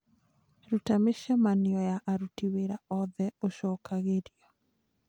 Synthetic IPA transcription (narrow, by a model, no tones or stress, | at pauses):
ɾutameʃamaniɔjaʔaɾutiweɾaɔðɛoʃɔkʰaɣeɾjɔ